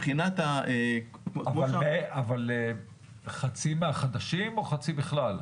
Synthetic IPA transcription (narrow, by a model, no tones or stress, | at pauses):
χinat̪a | avaleavale | χat͡simeaχad̪aʃimoχat͡sibiχlal